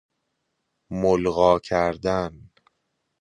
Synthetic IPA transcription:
molɣɒːcʰæɾd̪æn

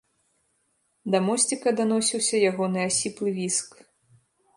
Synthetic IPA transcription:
d̪ɐmɔsʲt͡sʲikɐd̪anɔsʲiwsʲɐjaɣɔnɨasʲiplˠɨvʲisk

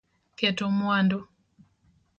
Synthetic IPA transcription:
kɛtomwando

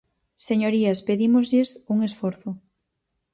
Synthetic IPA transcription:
seɲoɾiaspeðimozʎesuŋesfɔɾθʊ

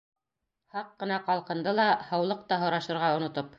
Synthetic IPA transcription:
hɑqːɤ̆nɑqɑlˠqɤ̆nd̪ɤlˠɑhɤ̆wlˠɤq̚t̪ɑɦŏɾɑʃɤ̆ɾʁɑŏnŏt̪op

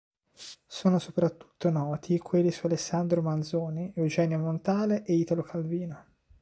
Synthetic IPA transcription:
soːnosopɾat̪ːu̥t̪ːonɔːt̪ʰikʰwelːisualesːand̪ɾomand̪zoːniɛwd͡ʒɛːnjomont̪aːleʔeiːt̪alokʰalviːno

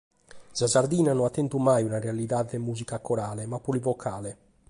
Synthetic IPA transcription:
sazaɾd̪iːnanɔat̪ːɛnt̪umajunarealiðaːðemuːzikakɔɾaːlemapːulivɔkʰaːle

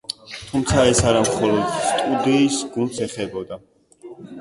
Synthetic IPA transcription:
t̪ʰumt̪sʰaɛsaɾamχɔlˠɔd̪st̪ʼud̪iːsɡunt̪sɛχɛbɔd̪a

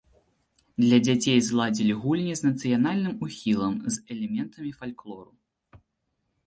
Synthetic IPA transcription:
d̪lʲɐd͡zʲat͡sʲejzlˠad͡zʲilʲiɣulʲnʲiznɐt̪sɨjanalʲnɨmuxʲilˠɐmzɛlʲɛmʲɛnt̪ɐmʲifalʲklˠɔɾu

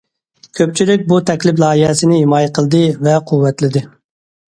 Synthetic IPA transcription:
kʲʰøp̚t͡ʃʰilɪk̚ʲbut̪ʰɛkʲlɪplˠɑːjihɛsɪnɪhimɑːjɛqʰəlˠd̪ɨvɛqʰuwːɛt̪lɪd̪ɪ

